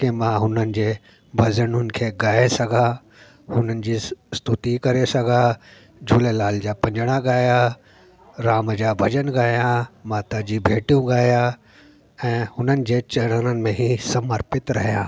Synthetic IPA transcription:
kemãɦʊnənɪ̆d͡ʑeː | bʱɐzəɽʊnɪ̆kʰeːɡaːesɐɡʱã | hʊnənɪ̆d͡ʑiːst̪ʊt̪ikɐɾesɐɡʱa | d͡ʑuːlelaːld͡ʑaːpɐ̃ɲd͡ʑəɽ̃aɡaːja | ɾaːməd͡ʑaːbʱɐd͡ʑənɡaːijãmaːt̪ad͡ʑiːbʱeːʈijũɡaːja | ɛ̃ːhʊnənɪ̆d͡ʑeːt͡ɕɐɽənənɪ̆mẽɦisɐməɾpɪt̪ɾɐɦijãː

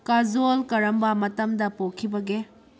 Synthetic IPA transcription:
kazolkɐɾɐmbɐmɐtɐmdɐpokʰibɐɡe

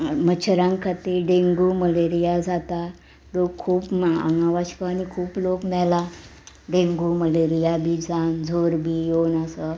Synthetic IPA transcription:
mət͡ɕʰɾãŋɡkʰat̪eɖẽŋɡuməleɾijad͡zʱat̪a | lokkʰːuːpma̰ŋɡãʋaɕkanikʰuːplokmɛla | ɖẽŋɡuməleɾijabʱid͡zʱãnd͡zʱoɾbʱijonasɔ

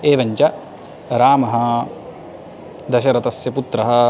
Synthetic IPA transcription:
eːʋɐɲt͡ʃɐ | ɾaːmɐɦɐ̆ | d̪ɐʃɐɾɐt̪ɐsjɐput̪ɾɐɦɐ̆

